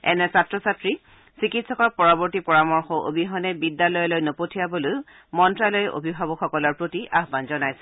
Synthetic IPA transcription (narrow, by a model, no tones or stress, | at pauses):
ɛ̰nɛsatːɹɔsatɹi | sɹikitsɔkɔɹpɔɹɔbɔɹtipɔɹamɔɹxɔʔo̰bʱiɦɔnɛbidːalɔjɔlojnɔpotʰijaboloj | mɔntɹalɔjʔo̰bʱibʱabɔxɔkɔlɔɹpɹotiʔaɦbanzɔnajsɛ̥